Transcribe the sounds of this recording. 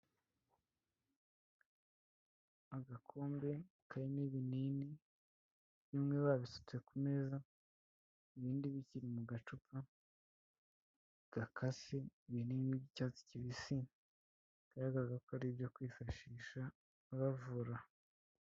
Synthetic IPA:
aɡakʰoːmbe̞ | kʰajeniβinini | jimŋeβaβisu̥t͡se̞kume̞za | iβiːndiβiciɾimuɡat͡ʃupa | ɡ̥akʰasiβiniːnibɟicat͡si̥ciβisi | ɡ̥aɾaɡaɾɡakoaɾibjokwiːfaʃiːʃa | βavuɾa

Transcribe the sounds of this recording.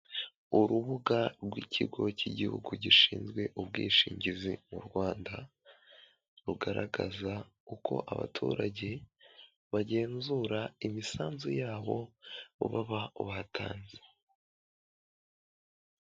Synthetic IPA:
uɾuβuɡaɾɡwicʰiɡo̞ciɟihuɡuɟiʃiːnzɡwe̞ʔub̚ɡwiːʃiːɲɟizimuɾɡwaːnda | ɾuɡaɾʔaɡaza | ukʰo̞̰ʔaβa̰tʰuːɾaɟe̞ | βaɟe̞ːnzuːɾaimisaːnzujaːβo̞uβaβauβatʰaːnze̥

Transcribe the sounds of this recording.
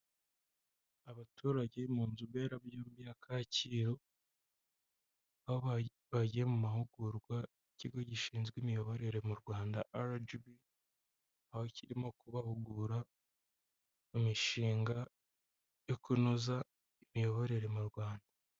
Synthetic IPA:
aβatʰuːɾaɟeimuːnzuβeːɾabjuːmbijakʰaciːɾo | aho | βaɟiemumahuɡuɾɡwa | iciɡo̞ɟiʃiːnzɡwiːmijo̞βo̞ɾe̞ɾe̞muɾɡwaːndaʔaɾd͡ʒubi | ahociɾimo̞kuβahuɡuɾa | mumiʃiːŋɡa | jo̞kunoza | imijo̞βo̞ɾe̞ɾe̞muɾɡwaːnda

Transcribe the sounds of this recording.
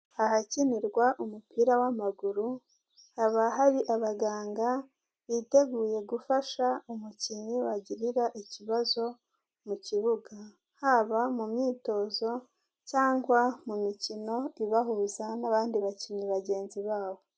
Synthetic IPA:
aɦaciniɾɡwaʔumupiɾawamaɡuɾu | haβaɦaɾiʔaβaɡaːŋɡa | ite̞ɡuːje̞ɡufaʃaumuciɲiwaɟiɾiɾaʔiciβazo̞ | muciβuɡa | haβamumɲiːto̞zo̞ | caːŋɡwamumicino̞iβaɦuzanaβaːndiβaciɲiβaɟe̞ːnziβaːβo̞

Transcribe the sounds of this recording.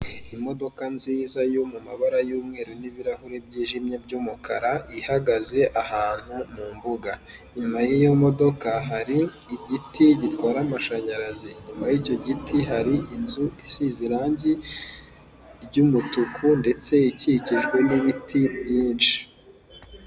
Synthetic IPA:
imo̞do̞kanziːzajomumaβaɾajuːmŋe̞ːɾoniβiɾahuɾebɟiːʒimɲe̞b̚ɟuːmukaɾaʔihaɡaze̞ʔahaːn̥humuːmbuɡa | ɲimajijomo̞do̞kaɦaɾiː | ɟitʰiɟitwaːɾamaʃaɲaɾaziɲumajico̞ɟitʰiɦaɾiʔinzuisiziɾaːɲɟi | ɾɟumutukʰunde̞t͡se̞iciciʒɡwe̞niβitʰibjiːnʃi̥

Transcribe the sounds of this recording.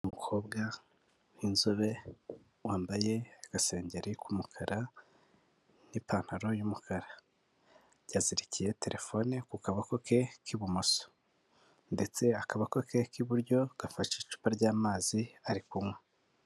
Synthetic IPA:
umukʰo̞ːbɡa | ninzuβe̞ | waːmbaje̞ːɡ̥ase̞ːɲɟeɾikumukʰaɾa | nipaːn̥haɾo̞jumukʰaɾa | ɟaziɾicije̞te̞ɾʔe̞fo̞nikukaβako̞ke̞kʰiβumoso̥ | nde̞t͡se̞akaβako̞kʰe̞kiβuɾɟo̞ɡ̥afaʃit͡ʃu̥paɾɟaːmaːziaɾikumwe

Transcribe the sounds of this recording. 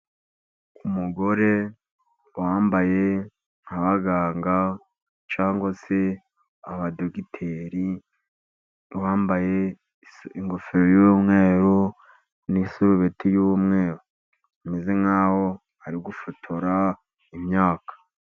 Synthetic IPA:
umuɡo̞ɾe | waːmbaje̞ | ŋ̥haβaɡaːŋɡa | t͡ʃaːŋɡwase̞ | aβadoɡitʰeɾi | waːmbaje | iŋɡofeɾojuβumŋeːɾo | nisuɾuβetʰijuwumŋe̞ːɾo | ameze̞ŋawo | aɾiɡufotʰoɾa | imɲaːkḁ

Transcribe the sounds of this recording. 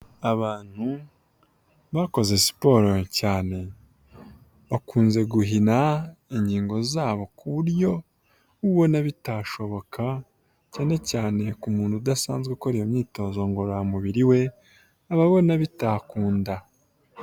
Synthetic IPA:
aβaːn̥hu | βako̞ze̞si̥po̞ːɾocaːne̞ | βakʰuːnze̞ɡuɦinaiɲɟiːŋɡo̞zaːβo̞kʰuβuɾjo̞ | uβo̞naβitaːʃo̞βo̞kʰa | caːne̞caːne̞kumuːnudasaːnzɡekoɾijomɲiːto̞ːzo̞ŋɡoɾamuβiɾiwe̞ | aβaβo̞naβitaːkuːnda

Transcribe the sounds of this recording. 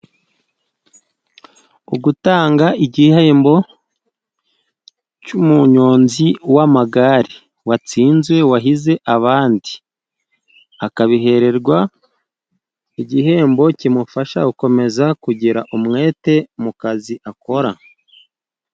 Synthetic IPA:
uɡutaːŋɡaiɟiheːmbo̞ | cumuɲo̞ːnziwamaɡaɾi | wat͡siːnzwe̞waɦize̞ʔaβaːndi | akaβiɦe̞ɾe̞ɾɡwa | iɟiɦe̞ːmbo̞cimufaʃa̰uko̞me̞zakuɟiɾaʔumŋe̞ːte̞mukaziʔako̞ɾa

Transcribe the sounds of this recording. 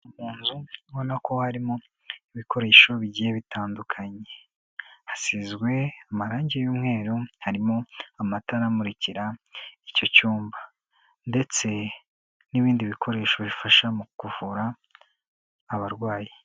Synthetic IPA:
umuːnzuβo̞nakʰo̞haɾimo̞ | iβiko̞ɾe̞ːʃo̞βiɟijeβitaːndukʰaɲe̞ | hasizɡwe̞amaɾaːɲɟejuːmŋe̞ːɾohaɾimo̞amataɾamuɾiciɾaico̞cuːmba | nde̞t͡se̞ | niβiːndiβikʰo̞ɾe̞ːʃo̞βifaʃamukuvuɾa | βaɾɡwaːji

